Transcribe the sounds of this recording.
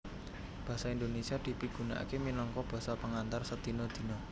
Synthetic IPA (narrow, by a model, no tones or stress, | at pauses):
b̥ä̤saind̪onesiad̪̥i̤piɡ̥ṳna̰keminɔŋkɔb̥ä̤sapəŋant̪arsəd̪̥i̤nɔd̪̥i̤nɔ